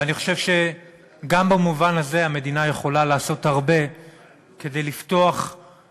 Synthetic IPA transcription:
aniχo̞ʃe̞vʃe̞ | ɡambamuvanaze̞ame̞d̪inaje̞χo̞lalaːso̞thaʁbe̞ | ke̞d̪ejlifto̞aχ

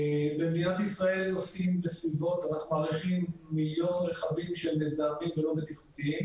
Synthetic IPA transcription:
bedijat̪isʁae̞losimbesvivo̞t̪ʁatmaːʁiχimːiljo̞nʁeχavimʃemezaːmimvelo̞bet̪iχu̥t̪iim

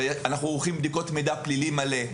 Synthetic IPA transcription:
anaχnuoχimbd̪iko̞tmid̪aplilimale

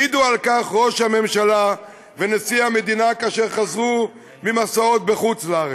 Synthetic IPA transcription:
id̪ualkaχʁo̞ʃhame̞mʃala | venesiame̞d̪inakaːʃeʁχazʁu | mimasao̞t̪̚beχut͡slaaʁe

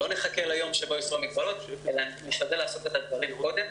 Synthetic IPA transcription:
lo̞neχakelajo̞mʃebojosʁomiɡbalot̪elaniʃad̪elaːsotet̪ad̪vaʁimko̞d̪em

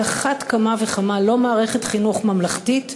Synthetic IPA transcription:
aχatkamaveχamalomaːʁeχe̞tχinuχmamlaχtit

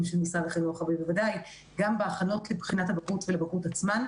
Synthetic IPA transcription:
mʃelmisaʁeχenoχabimbevadaj | ɡambeaχano̞tlebχinathabakutvelebakutat͡sman

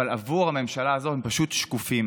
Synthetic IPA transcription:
alavuʁhame̞mʃalaːzo̞thempaʃut̪ʃkufim

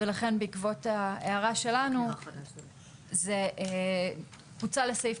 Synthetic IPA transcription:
elaχe̞nbeikvo̞taeaʁaʃe̞lanu | ze | kvut͡sale̞sejf

